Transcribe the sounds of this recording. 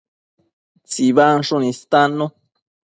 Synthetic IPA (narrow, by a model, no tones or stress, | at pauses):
t͡siβanʂunĩst̪anõ